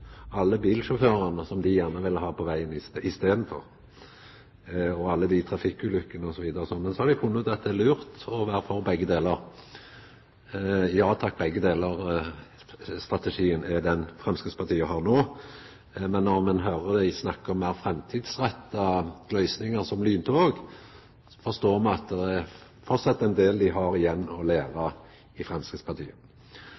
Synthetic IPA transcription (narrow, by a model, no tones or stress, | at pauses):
ɑlːəbiːlʃɔføːɾənəsɔmd̪ɪjæʁnəʋɪlhɑːpʰɔʋæɪənɪsɪst̪eːd̪n̩fɔ̰ʁ | ɔɑlːəd̪ɪt̪ʰɾɑfɪkʉːlʉkːənəɔsɔʋiːd̪əɾəsɔnːmɛnsɔhɑɾd̪ɪfʰʊnːɔd̪ɑt̪̚d̪ɛlʉːʁt̪ɔʋæːɾəfɔʁbɛɡːəd̪eːləɾ | jɑːt̪ʰɑk̚ːbɛɡːəd̪eːləʁ | st̪ʁɑt̪əʂiːənɛd̪ɛnfɾɛmskəspʰɑʁt̪ʰiːəɦɑːʁnoː | mɛnːɔʁmɛnɦøːɾəd̪æɪsnɑkːəɔmːæɪʁfɾɛmt̪ʰiːd̪sʁɛt̪ːɑɡ̥lœʏsnɪŋəʁsɔmlyːnt̪ʰːoɡ | fɔst̪oːɾmɑɑt̪̚d̪ɛɛ | fɔt̪sɑt̪ːɛnd̪eːld̪ɪɦɑɾɪjɛnːɔleːʋə | ɪfɾɛmskəspʰɑɾt̪ʰḭːə